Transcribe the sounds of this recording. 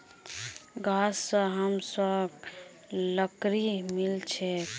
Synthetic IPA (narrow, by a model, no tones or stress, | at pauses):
ɡasːəɦəmsəb | ləkɾimilt͡ʃʰɛ